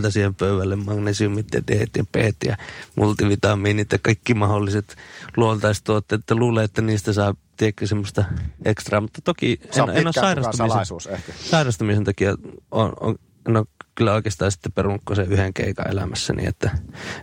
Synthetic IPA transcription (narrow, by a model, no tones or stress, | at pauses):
t̪ɑsiːhempøyʋælːemmɑːŋkunesymːit̪ːḛt̪ehet̪jɑpeːt̪jɑ̰mult̪iʋit̪ɑmiːniːt̪ːækɑikːimɑholːiset̪luont̪ɑˑist̪uot̪ːeːet̪ːæluːlːeet̪ːæniːst̪æsɑˑet̪iekːæsemːost̪ɑʔekst̪rɑːmut̪ːɑt̪okienʔenːossɑˑirɑsst̪usuːsekæsɑˑirɑst̪umisent̪ɑkiɑo̰no̰ | enokylːæoˑikeːst̪ɑːnsi̥t̪ːeperunːukkoseyheŋkḛikɑ̰ḛlæ̰mæsːæ̰nḭḛt̪ːæ